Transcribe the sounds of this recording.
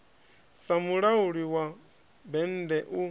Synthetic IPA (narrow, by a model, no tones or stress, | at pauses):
samuɺauɺiwa | bɛn̩dɛʔu